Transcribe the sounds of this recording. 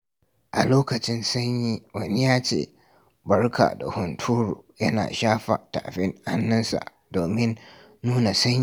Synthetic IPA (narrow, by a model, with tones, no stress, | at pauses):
ʔa̰˨loː˦kɐ˨t͡ʃɪ˦nsɐ˦ɲjiː˦wɐ˨ni˦jaː˦t͡ʃḛː˦˨ | bɐ˦rkʰa̰ː˨da̰˨hʊ˨ntʰuː˦ɾṵː˨jɐ˦na̰ː˨ʃaː˦ɸa̰˨ta̰ː˨ɸɪ˦ŋha˦nːɐ˦nsa̰˨ʔ | doː˨mɪ˦nː | uː˦na˨sɐ˦ɲji˦˨